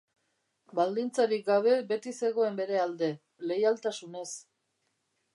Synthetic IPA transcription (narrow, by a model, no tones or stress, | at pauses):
bald̪int͡saɾik̚ɡaβ̞e̞be̞t̪ise̞ɣ̞o̞e̞mbe̞ɾe̞ald̪e̞ | le̞jalt̪asune̞s